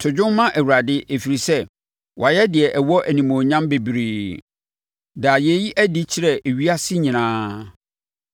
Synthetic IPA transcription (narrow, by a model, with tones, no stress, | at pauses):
tʰʊ˨d͡ʑʊ̃˦mmːã˦ʔæ˨wu˨ɾa˨dɪ˦ʔe˨fi˨ɾi˨sɛ˦ | wʔa˨jɛ˦dɪ˨ɛ˨ʔɛ˨wɔ˦ʔæ˨nĩ˨mõ˨ɲã˦mbe˨bi˨ɾiː˨ | da˨jɛ˨˦ji˦ʔæ˦di˦t͡ɕʰɪ˦ɾɛ˨ʔe˨ɥi˦a˦sɪ˦ɲĩ˨nãː˦